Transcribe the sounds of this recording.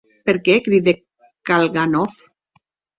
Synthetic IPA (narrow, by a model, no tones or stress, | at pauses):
peɾkekɾiðe | kalɣanɔf